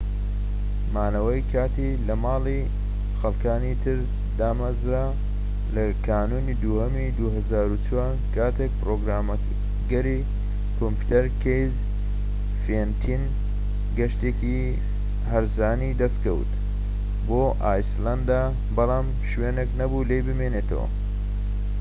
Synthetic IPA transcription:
maːnɐwɐjkʰaːt̪ilɐmaːli | xɐlˠkaːnit̪ʰɨɾ | d̪aːmɐzɾa | lɐkʰaːnuːnid̪uːhɐmid̪uɦɐzaːɾut͡swaːɾkʰaːt̪ʰek̚pɾoːɡɾaːmɐ | ɡɐɾi | kʰompu̥t̪ɐɾkʰejz | fent̪ʰin | ɡɐʃt̪eːki | ɦɐɾzaːnid̪ɐst̪kɐw̰t̪ | boːʔaːjsland̪a | bɐlˠaːm | ʃweːneknɐbulejbɨmeːneːt̪ʰɐ̰wɐ̰

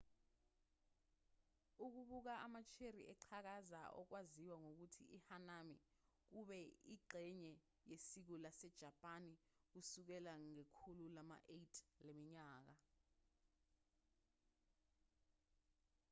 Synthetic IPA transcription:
uk̬uɓuk̬aamat͡ʃʰerḭʔɛǃʰak̬aza̰ʔɔ̰k̬waziwaŋok̬utʰḭʔihanami | k̬uɓɛiǃʱɛɲɛ | jesik̬ulasɛd̥ʒ̥ʱapʼanik̬usuk̬ɛlaŋekʰululama̰ʔetʰʼlemiɲaːk̬a

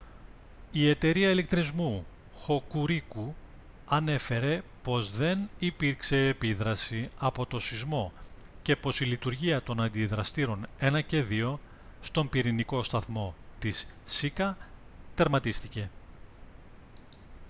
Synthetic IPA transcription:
ie̞t̪e̞ɾiɐilek̚t̪ɾizmu | xo̞kuɾiku | ɐne̞fe̞ɾe̞po̞zðe̞nipiɾkse̞ːpiðɾɐsiɐpo̞t̪o̞sizmo̞ | ce̞po̞silit̪uɾʝiɐt̪o̞nɐnd̪iðɾɐst̪iɾo̞ne̞nɐce̞ðio̞ | st̪o̞mpiɾiniko̞st̪ɐθmo̞t̪isːikɐt̪e̞ɾmɐt̪ist̪ice̞

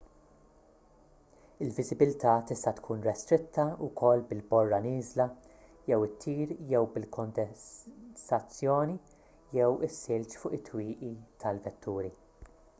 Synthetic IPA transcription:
ɪlvɪzɪbɪlt̪ɐːt̪ɪst̪ɐt̪kʰuːnɾɛst̪ɾɪt̪ʰːɐʊkʰɔlːbɪlbɔrːɐnɪːzlɐ | jɛwɪt̪ʰːiːɾjɛwbɪlkʰɔnd̪ɛ | sɐt͡sːjɔːni | jɛwɪsːɪlt͡ʃfʊːʔɪt̪ːwiːʔit̪ʰɐlvɛt̪ʰːuːɾi

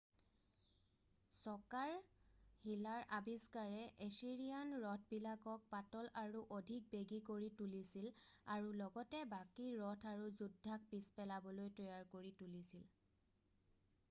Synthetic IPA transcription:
sɔkaɹhilaɹʔabiskaɹɛʔesiɹijanɹɔtʰbilakɔk̚patɔlaɹuʔodʱik̚beɡikoɹitulisilaɹulɔɡɔtɛbakiɹɔtʰaɹuzudʱːak̚pispɛlabɔlojtɔjaɹkoɹitulisil

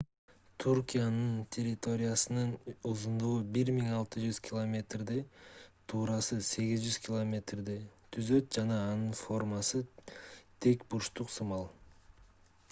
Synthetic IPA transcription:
t̪ʰurkʲijanɯnt̪ʲʰe̞rʲɪt̪o̞ɾʲɪjasɯnɯnozund̪uʁubiɾmiŋɑlˠt̪ɯd͡ʒyz̥kʲɪlˠomʲe̞t̪rd̪it̪ʰuːɾɑsɯse̞ɡʲizd͡ʒyz̥kʲɪlˠomʲe̞t̪rd̪it̪ʰyzø̞t̪̚d͡ʒɑnɑːnɯnfo̞rmɑsɯ | t̪ʰe̞kbuʃt̪uqsumɑlˠ

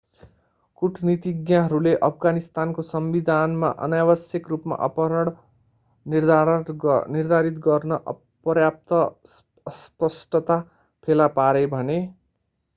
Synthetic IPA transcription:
kuʈʰnit̪iɡjaɦʌɾuleʔʌpʰɡanist̪ankosʌmbid̪ʱanma̰ʔʌ̰njabʌsjʌkrupma̰ʔʌ̰pʌɾʌɽ | nird̪ | nird̪ʱaɾit̪ɡʌrnʌʔ | prjap̚t̪ʌ | spʌsʈʌt̪a | pʰelapaɾebʱʌne

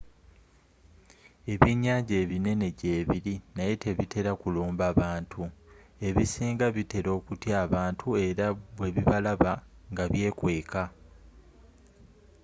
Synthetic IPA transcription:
e̞βiɲːaːɲɟeːβine̞ne̞ɟe̞ːβiɾinaje̞te̞βitʰe̞ɾakuluːmbaβaːntʰue̞βisiːŋɡaβite̞ɾo̞ːkutjaːβaːntʰue̞ɾaβwe̞βiβalaβa | ŋɡaβje̞ːkwe̞ːka

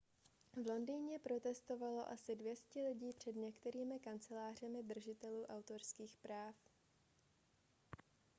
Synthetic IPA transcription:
vlo̞ndiːɲɛpɾo̞t̪ɛst̪o̞valo̞ʔasɪdvjɛscɪlɪɟiːpr̝̥ɛdɲɛkt̪ɛɾiːmɪkant͡sɛlaːr̝ɛmɪd̪r̩ʒɪt̪ɛluːʔawt̪o̞rskiːxpɾaːf

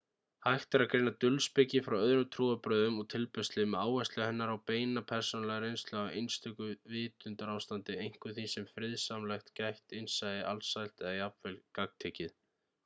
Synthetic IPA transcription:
hajht̪aɾakɾejnat̪ʏlspɪcɪfɾawœðɾʏt̪ʰɾuːapɾœːðʏmɔɣt̪ʰɪlpœst̪lɪmɛaːwvɛst̪lɪahɛnːaɾawpeːjnapʰɛɾ̥sɔnalɛɣɾejnst̪lʏaejnst̪ʰʏkʏvɪːt̪ʏnt̪aɾawst̪ant̪ɪejŋ̥kʏθisɛmfɾɪðsaːmlɛxt̪cajht̪ɪnsajðɪʔa̰lsajl̥t̪ɛðajapvɛlkakt̪ʰeːcɪð

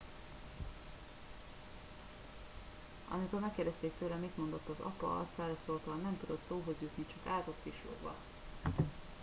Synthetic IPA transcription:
ɒ̰mikoːmɛkːeːrd̪ɛst̪eːk̚t̪øːlɛmit̪mo̞nd̪o̞t̪ːɒzɒ̰pɒ̰ɒ̰st̪aːɾɒsoːlt̪ɒlnɛmt̪ud̪o̞t̪soːɦo̞zjut̪nit͡ʃɒkaːt̪ot̪kiʃlo̰ɡbɒ̰

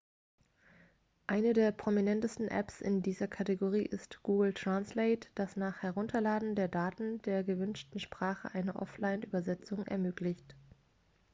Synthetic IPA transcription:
ʔaɪnədeːɐpʁ̥ominɛntəstn̩ʔɛ̰psɪ̰ndiːzɐkʰateɡoʁ̞ḭːʔɪstɡ̥uːɡl̩tʁ̥ansleɪtd̥asnaːχhɛʁ̞ʊntʰɐlaːdn̩deːɐdaːtn̩deːɐɡəvʏnʃtn̩ʃpʁ̥aːχə̰ʔaɪnəʔɔ̰flaɪnʔy̰ːbɐzɛt͡sʊŋʔɛ̰ɐmøːklɪçt

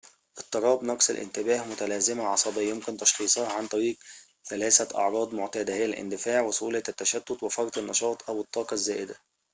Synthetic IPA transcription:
ʔɪt̪ˤːɑɾˤɑːbnɑqsɪ̰lʔɪ̰nt̪ɪbæːhmʊt̪ælæːzɪmaʕɑsˤɑbɑjʊmkɪnt̪ɑʃxiːsˤɑʕant̪ˤɑɾiːq | θælæːsæʔɑ̰ʕɾˤɑːd̪ˤmʊʕt̪æːd̪æhɪjælʔɪ̰nd̪ɪfaːʕwʊsˤuːlæt̪ːæʃæt̪ːʊt̪wɪfɑɾˤt̪ˤɪnːɑʃɑːt̪ˤʔæwɪt̪ˤːɑːqɑzːæːʔɪd̪æ

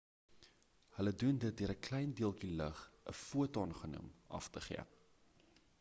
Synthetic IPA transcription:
hələdundət̚diəɾəklɛjndiəlˠkiləχʔə̰fuətɑnχənṵmɐ̰ftəχḭə̰

